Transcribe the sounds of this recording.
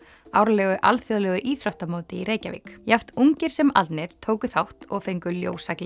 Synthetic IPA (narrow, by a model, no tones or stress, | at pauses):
awɾalɛɣʏʔalθjoðlɛɣʏʔiːθɾawht̪amowt̪ɪiɾeːjcavɪ̰ːkjaft̪uŋcɪɾ̥sɛma̰t̪nɪɾ̥t̪ʰoːwkʏθawht̪ɔɣfejŋkʏljo̰ːwsaklɪ